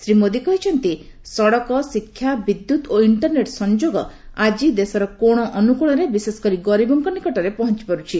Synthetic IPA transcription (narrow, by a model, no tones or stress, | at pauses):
sɾimod̪ikɔɦit͡ʃʰɔnt̪isɔɽɔkɔsikʰːjabid̪jut̪oiɳʈɔɾneʈsɔnd͡ʒoɡɔad͡ʒid̪esɔɾɔkoɽ̃ɔʔɔnukuɽ̃ɔɾebisesɔ̥kɔɾiɡɔɾibɔŋkɔnikɔʈɔɾepɔɦɔnt͡ʃi̥pɔɾut͡ʃʰi